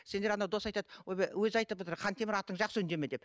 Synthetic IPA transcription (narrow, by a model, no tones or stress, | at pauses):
se̞nd̪eɾɑnɑd̪o̞sɑjt̪ɑd̪wojbewɵzɑjt̪əp̚ot̪əɾqʰɑnt̪ʰe̞mɪɾɑt̪ːəɴʒɑqsəʏnd̪e̞med̪ep